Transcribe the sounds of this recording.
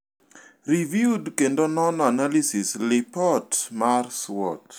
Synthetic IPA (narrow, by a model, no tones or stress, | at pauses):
rivjudkendonɔnɔanalisɪslɪpɔtmarswɔt